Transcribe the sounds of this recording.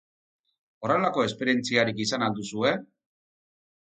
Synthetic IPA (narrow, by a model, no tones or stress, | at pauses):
o̞re̞lako̞e̞spe̞ɾie̞nt͡siaɾikisanald̪usue̞